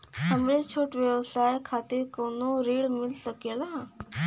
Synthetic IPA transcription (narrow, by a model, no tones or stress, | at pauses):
həmɭet͡ɕʰoʈʋjəʋsajkʰat̪iːɾkonoɾiɭmilsəkela